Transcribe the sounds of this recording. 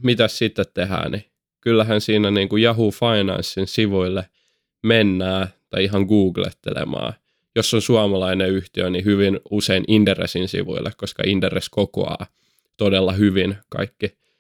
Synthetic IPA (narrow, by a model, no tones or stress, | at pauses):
mit̪æssit̪ːet̪t̪eɦæ̰ːni | kylːæɦænsiːnæniːŋkujɑɦuːfɑinɑ̰nsːinsiʋuilːe | menːæːt̪ɑiiɦɑŋɡuːɡlḛt̪ːḛlḛmɑ̰ː | josːonsuɑmɑlɑineyht̪iønihyʋinuseinʔind̥̪erḛsinsḭʋṵḭlːḛkkoskɑ̰ind̥̪ereskoko̰ɑ̰ː | t̪odelːɑhyʋinkɑ̰ikːi